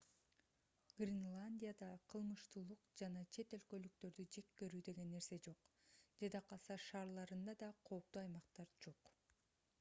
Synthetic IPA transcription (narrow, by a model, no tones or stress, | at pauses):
ɡ̥rʲinlˠanʲdʲijad̪ɑqʰɯlˠmɯʃt̪uːlˠuqd͡ʒɑnɑt͡ʃʰe̞t̪e̞lkø̞lykt̪ø̞ɾd̪yd͡ʒe̞kːeɾyːd̪e̞ɡe̞nːe̞ɾse̞d͡ʒo̞q | d͡ʒed̪ɑqɑsɑʃɑːɾlˠɑɾɯnd̪ɑd̪ɑqʰo̞ːp̚t̪uːɑjmɑq̚t̪ɑɾd͡ʒo̞q